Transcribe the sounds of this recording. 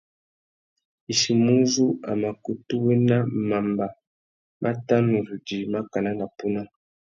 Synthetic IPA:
i˨ʃi˨mu˦zu˦a̰˨ma˨ku˨tu˦wɛ˦na˦ma˨mba˨ | mʔa˦ta˦mu˨zu˨d͡ʒi˨ma˦ka˨na˦na˨pu˦na˦

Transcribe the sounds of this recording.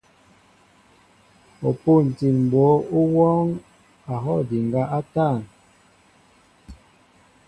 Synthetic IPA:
o˨pu˦˨n̩˨ti˨nm̩˨bo˨˦u˦wɔ˦ŋ | a˨ɦɔ˦˨di˨ŋɡa˦ʔa˦ta˦˨n

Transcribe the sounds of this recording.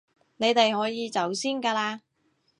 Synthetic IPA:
ne˨˧jt̪e˨jhɔː˨˥jiː˨˧t͡sɐ˨˥wsiː˥nkaː˧laː˧

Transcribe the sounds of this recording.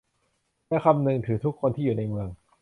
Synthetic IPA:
lɛː˦˥kʰa˧mnɯ˧ŋt̪ʰɯː˩˦t̪ʰu˦˥kʰːo˧nt̪ʰiː˥˩juː˨˩na˧jmɯ˧əŋ

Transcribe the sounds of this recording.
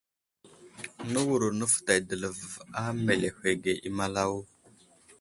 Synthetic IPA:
nə˦wu˨ɾu˨nə˦fta˨jdə˨lə˨va˦me˨le˨hʷe˨ɡe˨ʔi˦ma˦la˦wu˦

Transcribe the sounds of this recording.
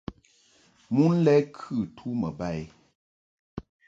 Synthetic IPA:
mu˦n̩˦lɛ˦kʰʉ˦˨tʰu˦mə˨ba˦˨j

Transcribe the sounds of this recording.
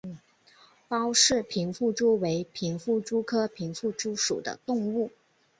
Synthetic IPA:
pɑ˥ʊʂɻ̩˥˩pʰi˧˥ŋfu˥˩ʈ͡ʂu˥we˧˥ɪpʰi˧˥ŋfu˥˩ʈ͡ʂu˥kʰɤ˥pʰi˧˥ŋfu˥˩ʈ͡ʂu˥ʂu˨˩d̪ə̰˦t̪ʊ˥˧ŋu˥˩

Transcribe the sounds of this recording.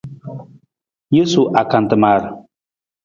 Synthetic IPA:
je˦su˨ʔa˨ka˨n˨tɨ˨maː˨ɾɨ˨

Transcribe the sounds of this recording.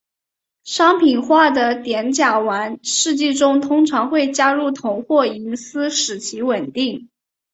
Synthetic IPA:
ʂɑ˥ŋpʰi˨˩nxwa˥˩d̪ə˩t̪jɛ˧˥nt͡ɕja˨˩wa˧˥nʂɻ̩˥˧t͡ɕi˥˩ʈ͡ʂʊ˥ŋt̪ʰʊ˥ŋʈ͡ʂʰɑ˧˥ŋxwe˥˩ɪt͡ɕja˥ɻu˥˩t̪ʰʊ˧˥ŋxwɔ˥˩i˧˥nsɹ̩˥ʂɻ̩˨˩t͡ɕʰi˧˥wə˨˩nt̪i˥˩ŋ

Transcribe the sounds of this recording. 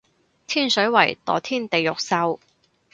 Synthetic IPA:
t̪ʰiː˥nsɵ˨˥ɥwɐ̰˨˩jt̪ɔ̰ː˨˩t̪ʰiː˥˩nt̪e˨jːʊ˨k̚sɐ˧w

